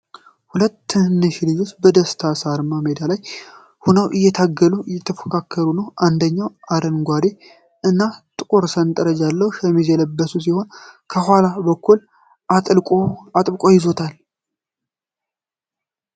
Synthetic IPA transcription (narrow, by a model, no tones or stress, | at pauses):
hulət̪ːɨnːɨʃlɨd͡ʒot͡ʃbəd̪əst̪ʰasaɾɨmːamed̪alaj | hunəwʔɨjːɛt̪ʰaɡːəluʔɨjːɛt̪ʰəfə̥kʰakʰːəɾunəwʔand̪əɲːawad̪ənɡʷad̪e | ɨnːat̪ʼɨkʼoɾsənt̪ʼəɾəd͡ʒalːəwʃəmizɛləbːəsus̬iho̞nkʰəhʷalabəkːul | ʔat̪ʼlkʼoat̪ʼbɨkʼo̞jɪzo̞t̪ʰal